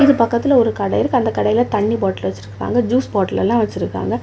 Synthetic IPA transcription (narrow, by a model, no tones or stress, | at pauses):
ɪðɯpɐkːɐt̪ːɪlɐɔɾɯkɐɽɐjɪɾɯkːɯɐnd̪ɐkːɐɽɐjɪlɐt̪ɐɳːiboːʈɐlʋɐt͡ʃːɪɾɯkːɾa̰ːŋɡɐd͡ʒuːsbaːʈɐlɛ̰lːãːʋɐt͡ʃːɪɾɯkːa̰ːŋɡɐ